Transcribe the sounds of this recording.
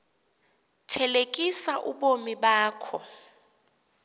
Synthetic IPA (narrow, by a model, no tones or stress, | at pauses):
tʰɛlekʼisaʔuɓomiɓaːkʰɔ